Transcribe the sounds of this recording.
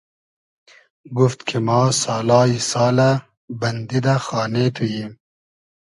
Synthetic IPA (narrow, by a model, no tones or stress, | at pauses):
ɡuft̪kʰimɑːsɑːlɑːisɑːla | bɐnd̪id̪axɑːnet̪ʰujim